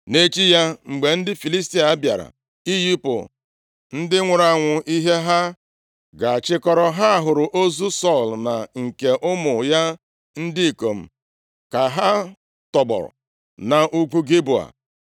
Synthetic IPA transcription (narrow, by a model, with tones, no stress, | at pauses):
ne˦t͡ʃi˦ja˦ŋ͡m̩˨ɡ͡be˨n̩˦dɪ˦fi˨li˦s̬ti˦a˨˦bja̰˨ɾa̰˨ | i˦ji˦pʊ̰˨ | n̩˦dɪ˦ŋʷʊ˨ɾa˨ŋʷʊ˨ʔi˦ɦe˦ɦa˦ | ɡa˨a˨t͡ʃɪ˦kɔ˦ɾɔ˦ɦa˦a˨ɦʊ˨ɾʊ˨ʔo˦zu˦sɔ˦˨lna˨ŋ̩˨ke˨ʔʊ˦mʊ˨ja˦ | n̩˦dɪ˦i˨ko˨m̩˨ | ka˨ɦa˦ | tɔ˨ɡ͡bɔ̰˨ɾ̰ | na˨ʔu˦ɡʷu˦ɡi˦bu˨a̰˨